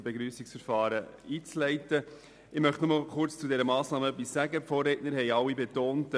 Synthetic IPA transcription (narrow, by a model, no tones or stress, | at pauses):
beɡɾyːsiksfəɾfɑːɾəiːt͡slɛɪtə | ɪmœχtnʊməlkʊɾt͡st͡sudɛɾəmɑːsnɑːməœpːisːæɡəpfoːreːtnəɾɦɛjɑwːibetoːnt